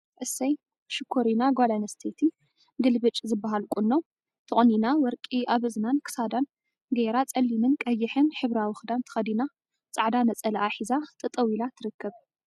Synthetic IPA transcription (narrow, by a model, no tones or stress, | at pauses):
t̪ʕɨsɐj | ʃɨkʰːoɾinaɡʷalanɐst̪ʰet̪ʰi | ɡɨlbɨt͡ʃʼzɨbːaɦalkʼunːo | t̪ʰɨχʼninawɔɾkʼiʔaβɨznankʰɨ̥sad̪an | ɡeɾat͡sʼɐlːinɨnkʼɐjːɪħɨnħɨβɾawɨxd̪ant̪ʰɨ̥xɐd̪ina | t͡sʼaʕd̪anɐt͡sʼɐlɐʔaħizat̪ʼɨt̪ʼɐwilat̪ʰɨɾɨkːɐβ